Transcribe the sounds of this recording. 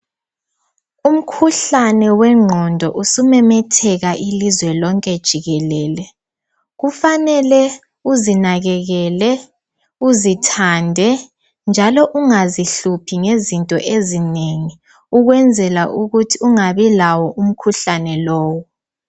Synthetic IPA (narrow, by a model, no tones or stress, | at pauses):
um̩kʰuɬanɛwɛŋ͡ǁʱɔndʱɔʔusumɛmɛtʰɛɣaʔilizwɛlɔŋkʼɛd̥ʒ̥ʱiɣɛlɛːlɛ | ɣufanɛlɛ | uzinaɣɛɣɛlɛ | uzitʰandʱɛ | nd͡ʒʱalɔʔuŋaziɬupʰiŋezintʼɔ̰ʔezineŋi | uɣwɛnd͡zʱɛlaʔuɣutʰiuŋaβilawɔʔum̩kʰuɬanɛlɔːwɔ